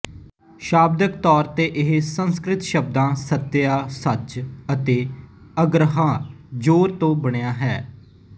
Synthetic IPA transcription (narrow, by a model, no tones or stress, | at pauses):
ʃaːb̚d̪ək̚t̪ɔːɾt̪eːʔɪɦsə̃nskɾɪt̪ʃəbd̪ãːsət̪ːɪjaːsət͡ʃət̪eː | əɡɾəɦãːd͡ʒoːɾt̪õːbəɽ̃ejaːɦɛː